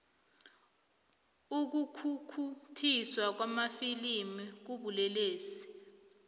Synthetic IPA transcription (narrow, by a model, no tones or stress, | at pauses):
uk̬ukʰukʰutʰiswak̬wamafilimik̬uɓulɛleːsi̥